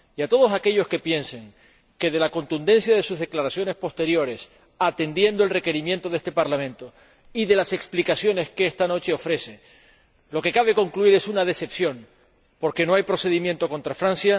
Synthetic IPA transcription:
iat̪o̞ð̞o̞sake̞ʎo̞ske̞pje̞nse̞ŋ | ke̞ðe̞lako̞nt̪und̪e̞nsjaðe̞suzðe̞klaɾasjo̞ne̞spo̞st̪e̞ɾjo̞ɾe̞s | at̪e̞nd̪jend̪oelre̞ke̞ɾimjent̪o̞ðe̞st̪e̞paɾlamẽ̞nt̪o̞ | iðe̞lase̞ksplikasjo̞ne̞skeest̪ano̞t͡ʃe̞o̞fɾe̞se̞ | lo̞ke̞kaβ̞e̞ko̞ŋkluiɾe̞sunað̞e̞se̞psjo̞ŋ | po̞ɾke̞no̞ajpɾo̞se̞ðimje̞nt̪o̞ko̞nt̪ɾafɾãnsja

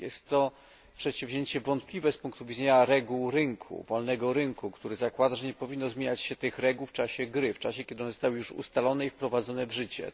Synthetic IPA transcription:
jɛst̪ːɔ | pʂɛt̪ɕivʲʑeɲt͡ɕɛvɔnt̪̚plʲivɛspuŋk̚t̪uvʲid̪zɛɲaɾɛɡuwɾɘŋkʰṵvɔlnɛɡɔɾɘŋkukt̪uɾɘzakwad̪aʐɛɲɛpɔvʲinːɔzmʲjeɲat͡ɕɕɛt̪ɘxɾɛɡuwft͡ʂaɕɛɡɾɘft͡ʂaɕɛkʲjɛd̪ɘɔnzɔst̪awjuʂṵst̪alɔnɛifpɾɔvad̪zɔnɛvʐɘt͡ɕɛ̰

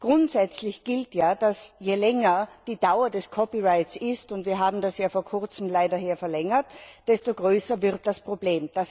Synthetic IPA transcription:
ɡ̥ʁʊntz̥ɛt͡slɪçɡ̥ɪltjaːd̥asjelɛŋɐd̥iːd̥aʊɐdɛskʰɔpiʁaɪtsɪstʊntviːɐɦaːbm̩dasjaːfoːɐkʰʊɐt͡sm̩laɪdɐɦeːɐfɛɐlɛŋɐtd̥ɛstoɡ̥ʁøːsɐvɪʁt̚d̥aspʁ̥obleːmd̥as

